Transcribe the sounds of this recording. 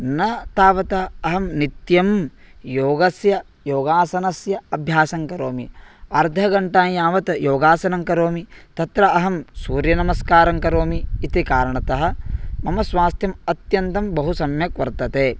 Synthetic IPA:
nɐt̪aːʋɐt̪ɐɐɦɐmnit̪jɐmjoːɡɐsjɐ | joːɡaːsɐnɐsjɐɐbʱjaːsɐŋkɐɾoːmiɐɾd̪ʱɐɡɐɳʈaːjaːʋɐt̪joːɡaːsɐnɐŋkɐɾoːmit̪ɐt̪ɾɐɐɦɐmsuːɾjɐnɐmɐskaːɾɐŋkɐɾoːmiːt̪ikaːɾɐɳɐt̪ɐɦɐ̆mɐmɐsʋaːst̪jɐmɐt̪jɐnt̪ɐmbɐɦusɐmjɐkʋɐɾt̪ɐt̪eː

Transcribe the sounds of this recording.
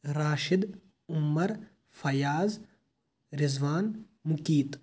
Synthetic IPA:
ɾaːʃɪd̪ | ʊmːɐɾ | fɐjaːz | ɾɪzʋaːn | mʊkiːt̪

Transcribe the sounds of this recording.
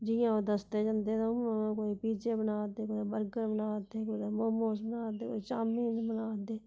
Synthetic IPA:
d͡ʒɪjãːoːd̪əst̪eːd͡ʒənd̪eːd̪õãkoːipiːt͡ʃeːbənaːd̪eːkod̪abəɾɡəɾbənaːd̪eːkoid̪amomoːsbənaːd̪eːko̰it͡ʃaːmiːnbənaːd̪eː

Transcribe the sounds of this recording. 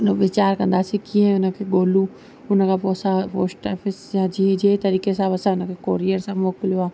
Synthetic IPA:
ʊnəʋɪt͡ɕaːɾkɐ̃nd̪aːsikĩːə̃ʊnə̆kʰeːɠoːlu | ʊnə̆kʰãːpoːsapoːsʈɔːfɪsjãd͡ʑiːd͡ʑeːt̪ɐɾiːkesãːbɐsãʊnə̆kʰekoːɾiəɾsãmoːklijoaː

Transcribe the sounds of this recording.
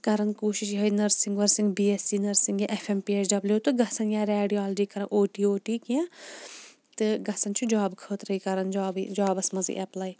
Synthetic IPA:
kɐɾɐnkuːʃiʃɦɐinɐɾsĩŋɡʋɐɾsiŋɡbiːesiːnɐɾsiŋɡjaʔefʰempiːesɖɐbljuːt̪ɨɡɐsɐnjaːɾeːɖiaːld͡ʒiːkɐɾɐnʔoːʈiːoːʈiːkiã | t̪ɨɡɐsɐnt͡ʃʰud͡ʒaːbkʰəːt̪ɾɐikɐɾɐnd͡ʒaːbd͡ʒaːbɐsmɐzḭʔɐplaːj

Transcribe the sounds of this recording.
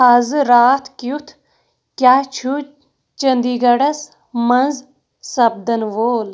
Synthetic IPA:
aːzɨɾaːt̪ʰkiut̪ʰ | kʲjaːt͡ʃʰu | t͡ʃənd̪iːɡɐɽɐs | mɐnz | sɐb̚d̪ɐnʋoːl

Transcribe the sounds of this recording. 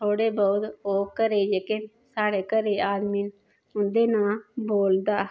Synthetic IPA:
t̪ʰoːɽeːbəd̪oːkəɾeːjeːkɪn | saːɽeːkəɾeːaːd̪miːn | ʊnd̪eːnãːboːld̪aː

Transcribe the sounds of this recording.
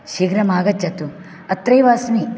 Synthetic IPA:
ʃiːɡɾɐmaːɡɐt͡ʃːɐt̪u | ɐt̪ɾɐjʋaːsni

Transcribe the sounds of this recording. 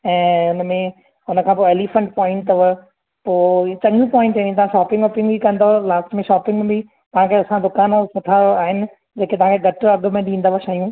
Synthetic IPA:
ɛ̃ːʊnəmẽ | ʊnəkʰãːpoeːlifə̃ɳʈpɔ̃ːɪ̃ɳʈəʋə | poːt͡ɕɐ̃ŋũpɔːɪ̃ɳʈeĩt̪ɐʋãʃaːpɪ̃ŋɡpɪ̃ŋɡbʱikɐ̃nd̪olaːsʈmẽʃɔːpɪ̃ŋɡẽbʱi | t̪ɐʋ̤ãkʰeɐsãd̪ʊkaːnosʊt̪ʰaaːɦɪnɪ̆ | d͡ʑeːkʰet̪ɐʋ̤ãkʰeɡʱɐʈɐɠ̆mẽɖĩːnd̪aʋaʃaːjũː

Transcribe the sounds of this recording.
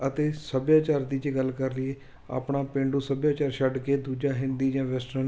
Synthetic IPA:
ət̪eːsəbjaːt͡ʃaːɾd̪iːd͡ʒeːɡəlkəɾlɪeː | a̰ːpɳaːpẽːɳɖuːsəbjaːt͡ʃaːɾʃəɖkeːd̪uːd͡ʒaːɦɪnd̪iːd͡ʒãːʋɛsʈə

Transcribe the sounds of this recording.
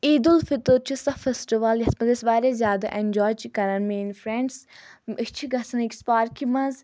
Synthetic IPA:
iːd̪ʊlfɪt̪ot͡ʃʰusɐfesʈiʋɐljɐsmɐd̪esʋaːɾezjaːd̪a̰ʔẽnʲd͡ʒɔːjt͡ʃikɐɾɐnmeːnfʰɾɛ̃ɳɖsit͡ʃʰiɡɐsɐnikspaːɾkimɐ̃z

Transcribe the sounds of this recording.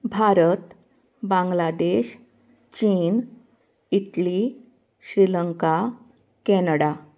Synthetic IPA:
bʱaɾət̪ | bãŋɡlad̪eɕ | t͡ɕiːn | iʈli | ɕɾiləŋka | kɛnəɽa

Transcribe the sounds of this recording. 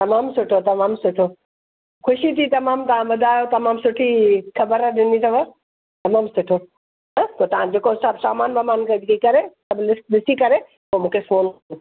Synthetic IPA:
t̪ɐmaːmsʊʈʰot̪ɐmaːmsʊʈʰo | kʊʃit̪ʰit̪ɐmaːmt̪ɐʋ̤ãbɐd̪ʱaːjot̪ɐmaːmsʊʈʰikʰɐbəɾaɗɪnit̪ʰɐʋə | t̪ɐmaːmsʊʈʰo | ɦt̪oːt̪ɐʋ̤ãd͡ʑeːkosɐbsaːmaːnbɐmaːnkʰed͡ʑkikɐɾesɐbʱnɪkɗɪsikɐɾe | omũːkʰefoːno

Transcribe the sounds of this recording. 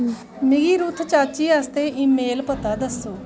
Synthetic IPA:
mɪɡiːɾuːt̪ʰt͡ʃaːt͡ʃiːast̪eːʔiːmeːlpət̪aːd̪əsoː

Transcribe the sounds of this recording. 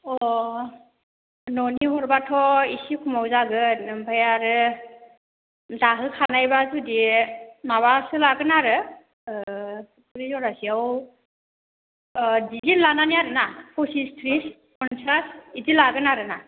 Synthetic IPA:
ɔ | nɔniɦɔɹbatʰɔisikʰumawzaɡɯbʱajaɾɯ | daɦɯkʰanajbazudiɛmabasɯlaɡɯnaɾɯ | kʰuɹizɔɹasiaw | dizitlananiaɾɯnapʰɔsistʰɹis | kʰɔnsasitilaɡɯnaɾɯna

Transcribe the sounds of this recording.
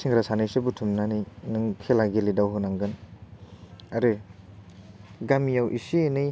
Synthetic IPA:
siŋɾasanɯjsɯbutʰumnaninɯŋkʰelaɡelidawɦɯnaŋɡɯn | aɾɯ | ɡamijawʔisienɯj

